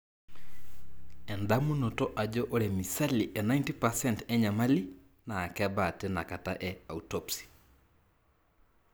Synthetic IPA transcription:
ɛ˨nda˦mu˦no˨to˦ʔa˨d͡ʒo˦ʔo˦ɾɛ˨misa˦liʔe˨na˦jnti˦pa˨sɛntɛ˦ɲa˨ma˦li˦ | naː˨kɛba˨tena˨ka˨ta̰ʔɛ˦autopsi̥

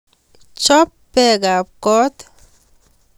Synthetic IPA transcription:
t͡ʃɔ˦pːɛ˦ɡa˨p̚kɔ˦t̪

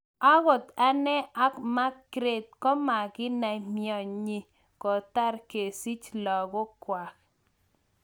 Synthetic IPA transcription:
a˦ɣɔ˨t̪a˦nɛ˦a˦kma˦kɾe˨t̪̚kɔ˦ma˨ɡɪ˦na˨mjɔ˨ɲi˨ | kɔ˨ta˦ɾke˨si˦t͡ʃlɔ˨ɡɔ˦kwa˨k

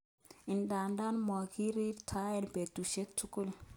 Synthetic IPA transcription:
ɪ˨nda˨nda˦nmɔ˨ki˦ɾi˦ɾtʰa˦ɛ˦nbe˨tu˨ʃe˦tu˦kʊ˦˨l

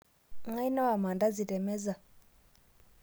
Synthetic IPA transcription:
ŋa˦i˦na˦wa˨ma˨nda˦d͡zi˨tʼɛ˨mɛ˦za˨

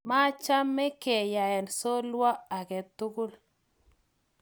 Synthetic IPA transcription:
ma˦t͡ʃa˦mɛ˦ke˨ja˨ɛ˨nso˦lwa˦a˨kɛ˨tu˦ɡu˦l

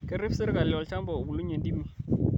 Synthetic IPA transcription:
kɛ˦ri˦fsɪ˦ɾka˨lɪ˨ɔ˨lt͡ʃa˦mbɔ˨bu˨lu˦ɲe˨ndi˦mi˨

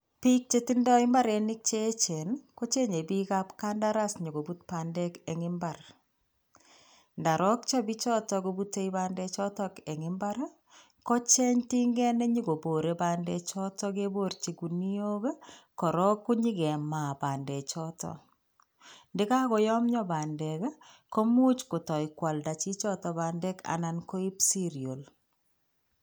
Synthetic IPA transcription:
pi˦k̚t͡ʃe˦tindɔ˦ɪ˦mba˦ɾe˨nɪ˦k̚t͡ʃe˦t͡ʃe˨nko˦t͡ʃe˦ɲe˨bikapka˦nda˦ɾasɲi˨ɡo˨but̚pa˨ndɛ˦keŋɪmbar | nda˨ɾɔ˦k̚t͡ʃɔ˦bi˦t͡ʃɔ˦tɔko˨butːe˦jba˦ndɛt͡ʃɔ˦tɔke˨ŋɪmba˦ɾ | kɔ˦t͡ʃɛ˦ɲti˦ŋɡɛ˦ne˦ɲiɡo˨bo˨ɾeba˨ndɛ˨t͡ʃɔ˦tɔ˦ke˦bo˦ɾt͡ʃi˨ku˨ni˦o˦ɡe˦kɔ˨ɾɔ˦kːu˦ɲi˦ɡɛ˨ma˨ba˨ndɛ˨t͡ʃɔtɔ̰ | ndɪ˦ka˦kɔ˨jɔ˦mɲɔ˦ba˨nde˨k | ko˦mu˦t͡ʃko˨tɔ˨jkwa˨lda˨t͡ʃi˦t͡ʃɔ˦tɔ˨ba˨ndɛ˦ka̰˨na˨nko˦i˦psi˦ɾio˨l

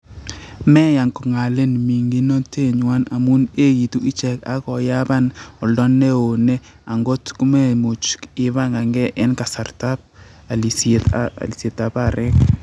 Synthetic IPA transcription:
mɛ˦ja˨ŋkɔ˨ŋa˨le˦nmi˨ŋɡi˦no˦te˦˨ɲwa˦na˨mu˦ne˦ki˨tu˦ʔi˦t͡ʃɛ˨ka̰˦kɔ˨ja˦ba˦nɔ˨ldɔ˦nːe˦o˨ne˦ | a˨ŋɡo˦tku˦me˦˨mu˨t͡ʃkɪ˨βa˦ŋɡa˨ŋɡɛ˦ʔɛ˦nka˨sa˨rta˦p̚ | a˨li˨se˨ta̰˨li˨sje˨ta˨pa˨ɾɛ˦k

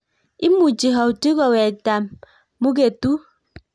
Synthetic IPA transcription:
i˦mu˨d͡ʒi˨ɦɔ˨u˨ti˦ɣɔ˨wɛ˨ta˨mː | u˦ɡe˨tu˦

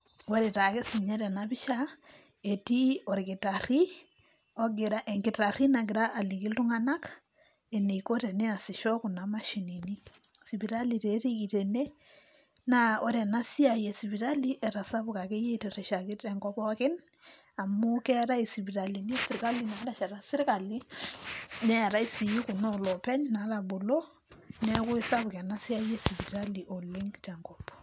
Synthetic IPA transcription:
wɔɾe˨ta˨ke˦si˨ɲɛ˦ɾɛ˨naβɪ˦ʃa | e˨ti˦ɔ˨ɾɪkɪ˨tari˦ | ɔ˦ɡɪ˨ɾa˦ʔɛ˨ŋɡɪ˨ta˨ri˦naɡɪ˨ɾaʔa˨li˨ki˦ltʊ˦ŋa˦na˦k | e˨ne˨ko˦te˨ne˦a˨sɪʃɔ˦kʊ˨na˨ma˦ʃinini˦ | siβi˨ɾaliɾe˨ɾi˦ɡitene˦ | nao˦ɾɛ˨na˦si˦a˨je˨si˨bi˨ɾa˦li˦ʔɛ˨ɾa˨sa˦bʊ˨ka˨ke˦je˦te˨ɾɛ˨ʃa˨kɪ˦tɛ˨ŋɡɔ˦pɔ˦kɪ˦n | a˨mʊ˦kɛ˦ɾa˦i˨si˨bi˨ɾa˨li˨ni˦sɪ˨ɾka˦li˨na˦ɾa˨ʃɛ˨ɾa˨sɪ˦ɾka˨li˦ | nɛ˦˨ɾa˦ɪ˦si˨i˦kʊ˨nɔlɔpɛ˦ɲna˨˦ɾa˨bo˨lo˦ | nɛ˦kʊ˦ɪ˦sa˦bʊ˨kɛ˨na˦si˦aje˦si˨bi˨ɾali˨ʔɔ˨lɪ˦ŋtɛ˨ŋɡɔp

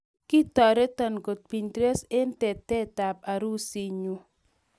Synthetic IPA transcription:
kɪ˦t̪ɔ˨ɾɛ˦ta˨nɡo˨t̪̚pi˨ɲtɾe˦sɛ˦ntɛ˨tɛ˦ta˨p̚a˨ɾu˦si˦ɲu˦

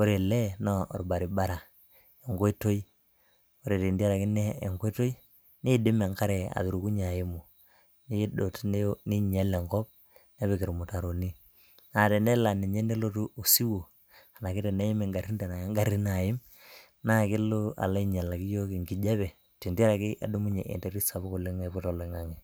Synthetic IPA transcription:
o˦ɾe˨lɛ˦nɔ˦ɔ̰˨ɾba˨ɾi˨ba˦ɾa˨ | e˨ŋɡo˦i˦to˦i˦ | o˦ɾe˨ti˨ndi˦a˦ɾa˨ki˦nɛ˦e˨ŋɡo˦to˦i˦ | ni˦dɪ˦mɛ˨ŋka˦ɾɛ˨a̰˨ðu˨ɾu˨ku˦ɲa˨ji˦mu˨ | ni˦do˨tni˦ɲa˦le˨ŋkɔ˦b̚ | ne˦βe˨ki˨ɾmu˨ta˨ɾo˨ni˦ | na˨tɛ˨nɛ˦la˨ni˨ɲe˦nde˦lo˦tu˦ʔo˨si˦wo˨ | a˨na˨kɪ˦tɛ˨ne˦i˦me˨ŋɡa˨ri˦nde˨na˨˦ŋɡa˨ɾi˦na˨jɪ˦m | na˦˨kɪ˦lo˦a̰˨la˦i˦ɲa˨la˨ki˦jo˦ki˨ŋɡi˨d͡ʒa˦βɛ˨ | ti˨nda˦ɾa˨kɪ˦ʔa̰˨du˦mu˦ɲe˨ʔḛ˨nte˨ɾi˦sa˨βu˦ku˨lɪ˦ŋa˦pu˦to˨le˨˦ŋa˨ŋi˨

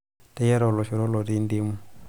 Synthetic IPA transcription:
tɛ˦jɛ˦ɾɔ˨lɔ˨ʃi˨ɾo˦lɔ˨ɾi˦ndi˦mu˦˨

